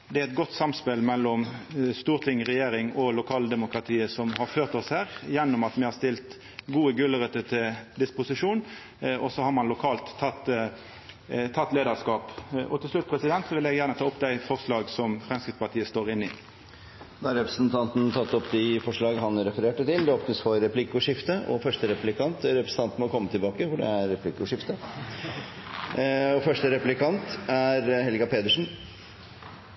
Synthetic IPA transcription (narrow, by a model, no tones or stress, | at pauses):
d̪ɛæɛt̪̚ɡɔt̪ːsɑmspɛlmɛlːɔmst̪uːʁt̪ʰɪŋɾɛjeːɾɪŋɔlʊkʰɑːld̪ɛmʊkɾɑt̪ʰiːəsɔmhɑɾføːʁt̪ɔshæːʁjɛnːʊmɑt̪ʋɪhɑɾst̪ɪlt̪ | ɡuːəɡʉləʁət̪ət̪ʰɪld̪ɪspʊsɪʂuːn | ɔsɔhɑɾmɑnlʊkʰɑːlt̪ʰːɑt̪ː | t̪ʰɑt̪ːleːd̪əɾskɑːpʔɔt̪ʰɪlslʉt̪̚ːpʰʁɛsɪd̪ɛnt̪sɔʋɪlɛɡjæːʁnət̪ʰɑːʊpd̪æɪfɔʁʂlɑːɡsɔmfʁɛmskɾɪt̪spɑʁt̪ʰiːəst̪oːʁɪnːɪ | d̪ɑːɑɾɛpɾəsnt̪ʰɑnt̪n̩t̪ʰɑt̪ːɔpd̪ɪfɔʂɭɑːɡɦɑnɾɛfəɾeːʈət̪ɪld̪ɛɔpnəsfɔɾɛplɪkːʊʂɪft̪əʔɔ̰fœʂʈəɾɛplɪkʰɑnt̪ɾɛpɾəsn̩t̪ɑnt̪mɔkʰɔmːət̪ʰɪlbɑːkəfɔɖɛ̰æɾɾɛpʰlɪkʊʂɪft̪ə | ɔfœʂʈəɾɛplɪkʰɑnt̪æɾɦɛlɡɑpʰeːd̪əʂɳ̩